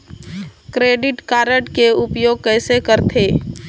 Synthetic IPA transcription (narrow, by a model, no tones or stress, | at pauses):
kɾeːɖɪʈkaːɾəʈkeʊpjoːɡ̚kɛːsekəɾt̪ʰeː